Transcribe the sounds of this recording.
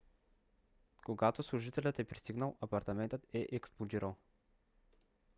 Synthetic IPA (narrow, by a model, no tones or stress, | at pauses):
koɡat̪oslˠʊʒit̪ɛlʲət̪ɛpɾist̪iɡnəlˠɐpɐɾt̪ɐmɛnt̪ət̪ɛʔɛksplˠod̪iɾəlˠ